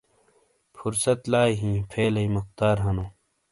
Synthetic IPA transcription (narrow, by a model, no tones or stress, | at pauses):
fuɾsɐt̪laːjɦĩːpʰeːlɐjmuxt̪aːɾɦɐnõː